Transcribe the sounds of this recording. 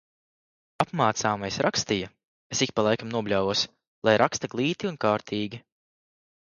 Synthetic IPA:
apmaːt̪saːmajsɾʔakst̪ijɐ | esikʲpalˠajkamnuɔblʲawvuɔs | lˠajɾʔakst̪aɡlˠiːt̪iunkaːɾt̪ʰiːɡʲi

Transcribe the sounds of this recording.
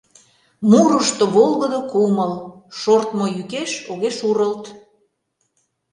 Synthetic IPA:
muɾəʃt̪oβolˠɣəd̪okuməlʃort̪mojykeʃoɣeʃuɾəlt̪

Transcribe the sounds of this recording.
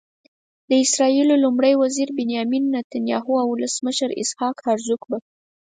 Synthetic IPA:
d̪əɪsɾɑilolumɽəjwaziɾbɪnjɑminːat̪anjɑɦuawʊləsməʃəɾɪ̰shɑkhaɾzukba

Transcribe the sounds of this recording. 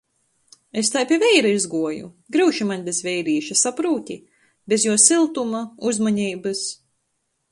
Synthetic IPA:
est̪ajpʲiɛvʲɛjɾaizɡuɔjṵ | ɡɾɨwʃimanʲbʲezvʲɛjɾiːʃasapɾuːt̪ʲi | bʲezjuɔsilˠt̪umauzmaɲiːbɨs

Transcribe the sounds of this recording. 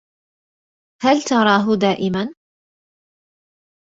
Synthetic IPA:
halt̪ɑɾˤɑːɦʊd̪aːʔɪman

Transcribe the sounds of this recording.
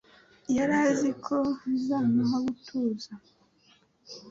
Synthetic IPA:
jaɾaːzikʰozanaɦaɡutʰuːza

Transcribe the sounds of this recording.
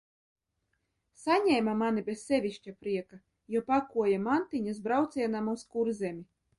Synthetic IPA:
sanʲɛjmamanibʲɛsʲːɛvʲiʃʲt͡ʃʲapɾiɛka | jɔpakuɔjamant̪inʲizbɾawt̪sʲiɛnamwskuɾzʲɛmʲi

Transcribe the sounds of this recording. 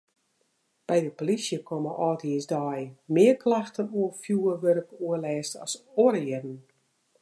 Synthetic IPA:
b̥ɛjdəpolisjəkʰɔməʔɔːtʰiəsdɔjmɪːərkʰlaxtənuəfjuːəʋøɾəpuəlɛːstɔ̰soɾjɪdn̩

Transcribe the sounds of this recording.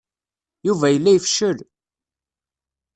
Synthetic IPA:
juvæjəlːæjəfʃəɾ

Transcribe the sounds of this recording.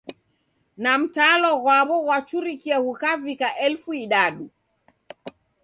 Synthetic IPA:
nam̩talɔɣwaβɔɣwat͡ʃuɾikiahukavikaʔɛlfuiɗaɗu

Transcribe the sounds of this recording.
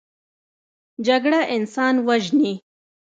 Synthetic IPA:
d͡ʒaɡɽaʔɪnsɑːnwaʒni

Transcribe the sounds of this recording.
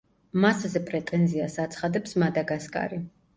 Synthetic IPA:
maszɛpʼɾɛt̪ʼɛnziasat̪sʰχad̪ɛpsmad̪aɡaskʼa̰ɾi

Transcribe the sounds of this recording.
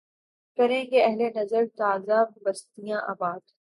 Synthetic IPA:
kɐɾẽːŋɡeɐɦlenɐzəɾt̪aːzabbɐst̪ijãʔa̰ːbaːd̪

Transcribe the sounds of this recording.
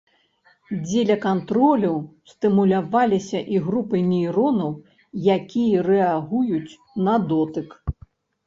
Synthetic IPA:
d͡zʲelʲɐkant̪ɾɔlʲɐwst̪ɨmulʲavalʲisʲɐʔiɣɾupɨnʲijɾɔnɐw | jakʲijɐrɛaɣujut͡sʲ | nɐd̪ɔt̪ɨk

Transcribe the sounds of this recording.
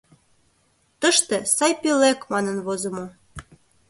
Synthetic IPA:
t̪əʃt̪ĕsɑjpilækmɑnə̆nβozə̆mo

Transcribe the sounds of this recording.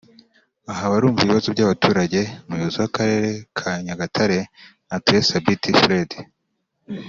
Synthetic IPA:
aɦaβaɾuːmuvβiβazobɟaβatʰuːɾaɟe̞mujozowakaɾe̞ːɾe̞kʰaɲaɡatʰaɾe̞natuesabitifɾedi

